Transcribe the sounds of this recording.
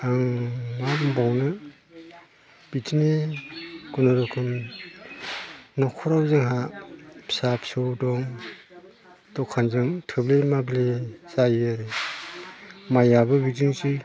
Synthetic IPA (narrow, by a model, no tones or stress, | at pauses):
aŋmabmbawnɯ | b̥itʰini | ɡunaɾɔkʰɯm | nɔkʰɔɾawzɯŋɦa | sapsɯwdɔŋ | d̥ɔkʰːanzɯŋtʰɯblemablezajɾe | majabɯbidiŋsi